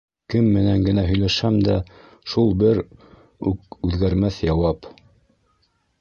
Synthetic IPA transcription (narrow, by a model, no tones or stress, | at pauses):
kɘmːɘ̆næŋɡɘ̆næɦɵ̆jlæʃæmd̪æ | ʃulˠbɘɾ | ʉk̚ʉðɡæɾmæθjɑwɑp